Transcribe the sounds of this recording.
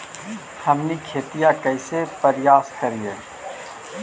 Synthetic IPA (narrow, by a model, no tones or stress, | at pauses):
hɐmnikʰeːt̪ijakɐɪsepɐɾjaːskɐɾijeː